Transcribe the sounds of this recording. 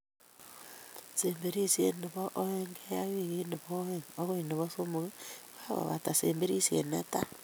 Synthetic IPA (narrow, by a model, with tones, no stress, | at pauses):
se˨mbe˦ɾi˦sjḛ˨ne˨βɔ˦ʔo˦e˦ŋɡe˦ja˦wi˦˨ɣe˦ne˨βɔɛŋo˦ɣo˦i˨ne˨βosomoɣe˦βa˦βa̰˨βa̰˨ta˨seː˨mbe˦ɾi˦sjḛ˨nḛ˦ta˦